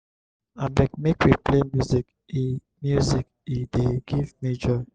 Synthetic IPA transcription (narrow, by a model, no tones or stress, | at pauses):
abɛk̚mekwiplemjuzik | i | mjuzik | ideɡivmid͡ʒɔɹi